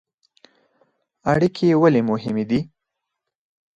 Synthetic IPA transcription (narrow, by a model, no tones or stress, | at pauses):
aɽikʰewalemʊɦɪmed̪i